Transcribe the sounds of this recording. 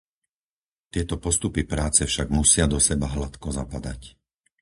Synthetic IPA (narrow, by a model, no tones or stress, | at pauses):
t̪ɪɛt̪ɔpɔst̪upipɾaːt͡sɛfʃaɡmusɪad̪ɔsɛbaɦlat̪kɔzapad̪a̰c